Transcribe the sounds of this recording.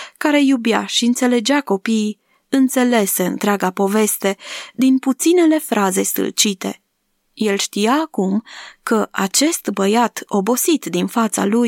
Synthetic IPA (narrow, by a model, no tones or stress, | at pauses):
kaɾe̞jubjaʃiɨnt̪se̞le̞d͡ʒako̞pi | ɨnt̪se̞le̞se̞ɨ̰nt̪ɾeaɡapo̞ve̞st̪e̞d̪input̪sine̞le̞fɾʔaze̞st̪ɨ̰lt͡ʃit̪e̞ | je̞lʃt̪ijaːkumkəʔat͡ʃe̞st̪bəjat̪ʰo̞bo̞sit̪d̪infat̪sa̰luj